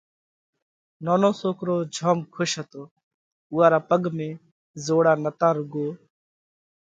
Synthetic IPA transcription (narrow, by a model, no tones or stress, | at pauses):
nɔːnõːsoːkɾoːd͡ʒʱɔːmkʰʊʃɦət̪oː | ʊaːɾaːpəɡmẽː | zoːɽaːnət̪aːɾʊɡoː